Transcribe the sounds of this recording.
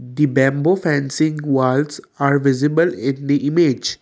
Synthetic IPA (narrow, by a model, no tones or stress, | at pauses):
d̪ibɛ̃mbofæ̃nsɪ̃ŋɡʋals | aːɾʋɪzɪbəlɪ̃nd̪iʔɪmed͡ʒ